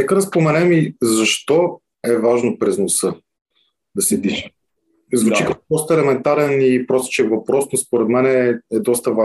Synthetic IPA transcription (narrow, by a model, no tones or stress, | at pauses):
nɛkəd̪ɐspɾomɛnɛmizɐʃt̪ɔ | ɛvaʒnopɾɛznosɤ | d̪ɐsɛd̪it͡ʃɛ | zvut͡ʃikəkɔd̪ɔst̪əɛlɛmɛnt̪aɾɛnipɾɔst͡ʃɛvɐpɾɔsnospoɾɛd̪mɛnɛɛd̪ɔst̪ɐva